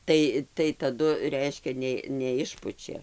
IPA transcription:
ˈtɐɪ tɐɪ tɐˈdʊ ˈrʲɛɪʃʲkʲɛ ˈnʲeː nʲɛˈɪʃpʊt͡ʃʲɛ

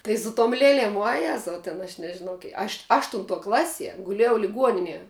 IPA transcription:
tɐɪ sʊ toːm ˈlʲeːlʲeːm ʋuɔˈjæːzɐʊ tʲɛn ɐʃ nʲɛʒʲɪˈnɐʊ kʲiɛ ɐʃ ˈɑːʃtʊntuɔ ˈklˠɑːsʲiɛ ɡʊˈlʲeːjɛʊ lʲɪˈɡuɔnʲɪnʲiɛ

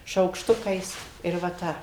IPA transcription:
ʃɐʊkʃˈtʊkɐɪs ɪr ʋɐ ˈtɐ

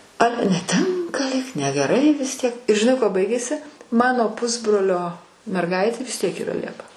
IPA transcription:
ˈɑːlʲɛ nʲɛˈtʲɪŋkɐ lʲiːk nʲɛɡʲɛˈrɐɪ ʋʲɪs ˈtʲiɛk ɪr ʒʲɪˈnɐɪ ˈkuɔ ˈbɐɪɡʲeːsʲɪ ˈmɑːnoː ˈpʊzbroːlʲoː mʲɛrˈɡɐɪtʲeː ʋʲɪs ˈtʲiɛk iːˈrɐ ˈlʲiɛpɐ

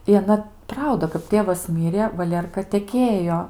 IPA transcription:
ɪ ɐˈnɐ ˈprɐʊdɐ kɐp ˈtʲeːʋɐs ˈmʲɪrʲeː ʋɐˈlʲeːrkɐ tʲɛˈkʲeːjoː

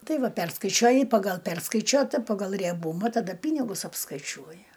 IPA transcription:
ˈtɐɪ ˈʋɐ ˈpʲɛrskɐɪt͡ʃʲuɔjɪ ˈpɑːɡɐlˠ ˈpʲɛrskɐɪt͡ʃʲuɔtɐ ˈpɑːɡɐlˠ rʲiɛˈbuːmɐ tɐˈdɐ ˈpʲiːnʲɪɡʊs ɐpskɐɪˈt͡ʃʲuɔjɪ

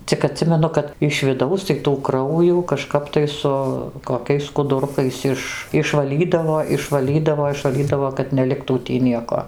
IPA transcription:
t͡sʲɪk ɐˈtʲsʲɪmʲɛnʊ kɐt ɪʃ ʋʲɪˈdɐʊs tɐɪ tuː ˈkrɐʊjuː kɐʃˈkɐp tɐɪ ˈsʊ koːˈkʲɛɪs skʊdʊˈrʊkɐɪs ˈɪʃ ɪʃʋɐˈlʲiːdɐʋoː ɪʃʋɐˈlʲiːdɐʋoː ɪʃʋɐˈlʲiːdɐʋoː kɐt nʲɛˈlʲɪktuː ˈtʲiː ˈnʲiɛkoː

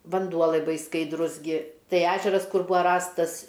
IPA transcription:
ʋɐnˈduɔ lˠɐɪˈbɐɪ skɐɪdˈrʊs ˈɡʲɪ ˈtɐɪ ˈæːʒʲɛrɐs ˈkʊr ˈbuːɐ ˈrɑːstɐs

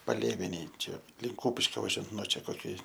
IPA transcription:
pɐˈlʲeːʋʲɛnʲeːj ˈt͡ʃʲɛ ˈlʲɪŋk ˈkuːpʲɪʃʲkʲoː ʋɐˈʒʲuɔjɛnt nuɔ ˈt͡ʃʲɛ koːˈkʲɪ

